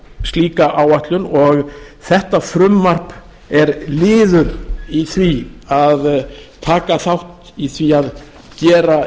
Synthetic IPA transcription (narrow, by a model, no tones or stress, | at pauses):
st̪liːkaʔawaht̪lʏnɔɣθɛht̪afɾʏmːar̥p | ɛɾlɪːðʏɾiθviaðt̪ʰaːkaθawht̪ | iθviað | cɛːɾa